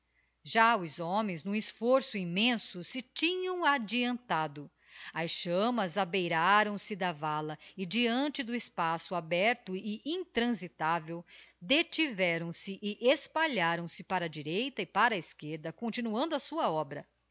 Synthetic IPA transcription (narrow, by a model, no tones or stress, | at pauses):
ʒaʊzomẽj̃znũɪsfoɾsʊimẽsʊsɪt͡ʃĩɲɐ̃w̃ad͡ʒiɐ̃nt̪ad̪ʊ | ɐsʃɐ̃mɐzabejɾaɾɐ̃w̃sɪd̪ɐvalɐɪd͡ʒiɐ̃nt͡ʃɪd̪ʊɪspasʊabɛɾt̪ʊɪʔĩnt̪ɾɐ̃zit̪avewd̪et͡ʃivɛɾɐ̃w̃sɪʔɪʔespaʎaɾɐ̃w̃sɪpaɾɐd͡ʒiɾejt̪ɐɪpaɾɐɪskeɾd̪ɐkõt͡ʃinuɐ̃nd̪ʊɐsuɐɔbɾɐ